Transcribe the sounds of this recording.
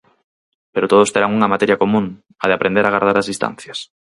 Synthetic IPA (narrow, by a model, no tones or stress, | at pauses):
peɾot̪oð̞ost̪eɾaŋuŋɐmat̪ɛɾjakomũŋ | ɐðeapɾend̪eɾaɣ̞aɾð̞aɾazðist̪ã̰n̟θjɐs